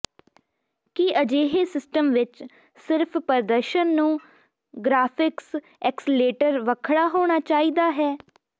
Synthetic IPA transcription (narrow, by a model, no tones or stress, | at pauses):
kiʔəd͡ʒeːɦeːsɪsʈəmʋɪt͡ʃ | sɪɾpʰpəɾd̪əɾʃənːũː | ɡɾaːpʰɪks | ɛːksleːʈəɾʋəkʰɽaːɦoːɽ̃aːt͡ʃaːiːd̪aːɦɛː